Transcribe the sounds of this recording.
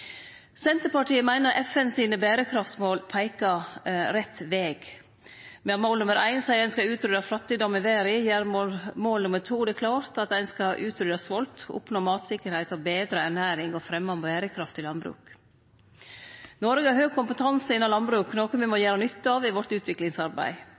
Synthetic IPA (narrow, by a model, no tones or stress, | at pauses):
sɛnt̪əɾpɑʈiːəmæɪnəɾʔɛfɛnsiːnəbæːɾəkʰɾɑft̪smoːlpʰæɪkɑɾɛt̪ːʋeːɡ | mɛɑt̪moːlnʊməɾʔæɪnsæɪɛɪnskɑʉːt̪ɾʏd̪ɑflɑt̪ːɪd̪ɔmɪʋeːɾɪjæːɾmomoːlnʊməʈʰuːd̪ɛkʰlɑːɾt̪ɑt̪æɪnskɑʔʉːt̪ʰɾʏd̪ɑsʋɔlt̪ʊ̰pnoːmɑːt̪sɪkːəɾhæɪt̪ɔbeːd̪ɾəæɳæːɾɪŋɔfɾɛmːɑmbæːɾəkʰɾɑft̪ʰɪlɑnbɾʉ̰ːk | nɔɾɡəɑɾhøːɡ̚kʊmpət̪ʰɑnsəɪnːɑlɑnbɾʉːknɔːkənʋɪmɔjæːɾɑnʏt̪ːəɑːʋɪʋɔʈ̪ʉːt̪ʰʋɪklɪŋsɑɾbæ̰ɪ